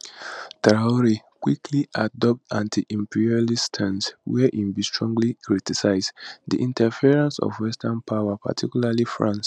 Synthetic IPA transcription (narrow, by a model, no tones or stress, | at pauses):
taɔɹi | kwikʰliʔadɔp̚tãntʰiʔĩmpiɹialistʰãnswɛʔĩmbistɹɔ̃ŋɡlikɹitisaɪzdḭʔĩntɛfiɹãnsɔ̰vwɛstʰanpʰaʊwapʰa̰tʰikjulalifɹãns